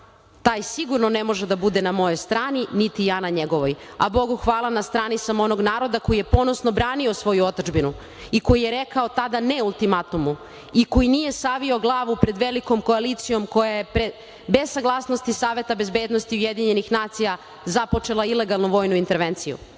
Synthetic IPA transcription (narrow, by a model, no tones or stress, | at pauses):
t̪aːjsiɡuɾnonemo̞ʒed̪abud̪enamo̞jo̞jst̪ɾaːninit̪ijaːnaɲeɡo̞ʋojabo̞ɡuxʋaːlˠanast̪ɾaːnisamo̞no̞ɡnaːɾo̞d̪ako̞jije̞po̞nosnobɾaːnio̞sʋo̞juo̞t̪od͡ʒbinu | iko̞jijeɾekao̞t̪ad̪aneulˠt̪imat̪umu | iko̞jinije̞saʋio̞ɡlˠaːʋupɾe̞d̪ʋelikomko̞alit̪sijo̞mko̞jajepɾe | be̞zsaɡlˠaːsno̞st̪isaːʋe̞t̪abe̞zbed̪nost̪iujed̪iɲe̞nixnaːt̪sija | zapo̞t͡ʃe̞lˠaile̞ɡalˠnuʋo̞ːjnuint̪e̞ɾʋent̪sijṵ